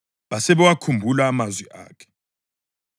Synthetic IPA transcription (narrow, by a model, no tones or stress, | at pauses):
βasɛβɛwakʰumbʱulaːmazwiʔa̰ːkʰɛ̥